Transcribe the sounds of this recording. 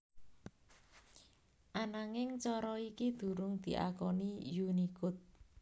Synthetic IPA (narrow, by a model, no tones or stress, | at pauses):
ʔanaŋɪŋt͡ʃɔɾɔikid̪̥ṳɾʊŋd̪̥i̤ʔa̰kɔnijunikʊt̪̚